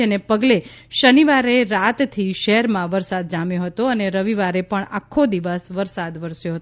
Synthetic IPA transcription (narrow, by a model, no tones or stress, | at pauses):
enepəɡleʃəniʋaɾeɾat̪t̪ʰiʃəɦɛɾmãʋəɾsad̪̚d͡ʒamjõɦət̪oəneɾəʋiʋaɾepəɳakʰːod̪iʋəsʋəɾsad̪ʋəɾsjoɦət̪o